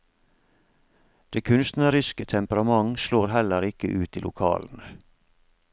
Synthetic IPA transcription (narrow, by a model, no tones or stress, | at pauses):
d̪̥eːkʰʉnst̪n̩əɾʏskət̪ʰɛmpəɾɑmɑŋʃloːɾɦɛləɾɪkəʔʉːt̪iːlʊ̰kʰɑ̰ːln̩ə